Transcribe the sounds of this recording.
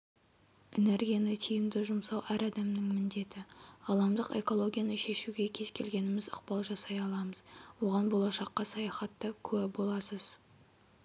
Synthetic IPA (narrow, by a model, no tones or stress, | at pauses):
ɪne̞ɾɡʲijanət̪ʰijɪmd̪ɪʒʊmsɑwʔæɾɑd̪ɑmnɪŋmɪnd̪e̞t̪ɪɑlˠɑmd̪əqe̞̰ko̞lˠo̞ɡʲijanəʃe̞ʃuɡʲe̞kʲʰe̞z̥kʲʰe̞lɡʲe̞nɪmɪzʊ̰q̚pɑlˠʒɑsɑjɑlˠɑməz̥wo̞ʁɑnbo̞lˠɑʃɑqːɑsɑjɑχɑt̪ːəkʲʰɵæbo̞lˠɑsəz̥